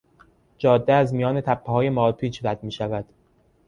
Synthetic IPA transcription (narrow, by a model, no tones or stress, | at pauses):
d͡ʒɒːd̪ːeæzmijɒːne̞t̪ʰæpʰːehɒːje̞mɒːpʰiːt͡ʃɾæd̪̥̚miːʃævæd̪̥